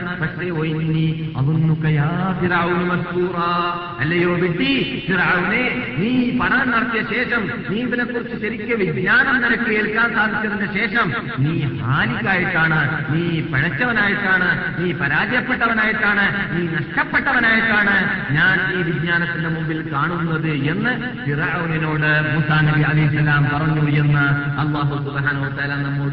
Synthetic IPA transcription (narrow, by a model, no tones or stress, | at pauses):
pɐkʂeojnːi | ɐʋunːukːɐjaːfiɾaʋunumɐsk̪uːɾaː | ɐlːɐjoːʋiʈːifiɾaʋuneːniːpɐɳɐnɐrɐt̪ːijɐɕe̞ːʂɐm | niːðilekːurit͡ɕːɨɕɐɾikʲːɨʋiɡɲaːnɐmniɾɐkːɨeːɭkːaːnsaːd̪ʱit͡ɕːɐðindeɕe̞ːʂɐm | niːhaːlikʲːaːjiʈːaːɳɨniːpeɻɐt͡ɕːɐʋɐnaːjiʈːaːɳɨ | niːpɐɾaːd͡ʑjɐpːeʈːɐʋɐnaːjiʈːaːɳɨniːnɐʂʈɐpːe̞ʈːɐʋɐnaːjiʈːaːɳɨɲaːniːʋid͡ʑɲaːnɐt̪ːindemumbilkaːɳunːɐðɨe̞nːɨ | pirunino̞ːɽɨmuːsaːnɐbiɐlɐjhisːɐlaːmpɐrɐɲːue̞nːɨɐlːaːɦusubɦaːnɐuʋɐt̪aːlaːnɐmːu